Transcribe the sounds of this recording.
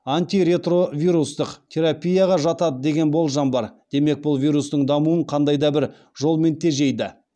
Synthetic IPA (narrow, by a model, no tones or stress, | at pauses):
ant̪iɾe̞t̪ro̞vʲiɾust̪əqt̪ʲʰe̞ɾapʲijaʁɑʒɑt̪ɑd̪əd̪e̞ɡʲe̞nbo̞lˠʒɑmbɑɾd̪̥e̞me̞k̚bʊlˠvʲijɾust̪əɴd̪ɑmuəɴqʰɑnd̪ɑjd̪ɑbɪɾ | ʒo̞lˠme̞nt̪ʰe̞ʒe̞jd̪ɪ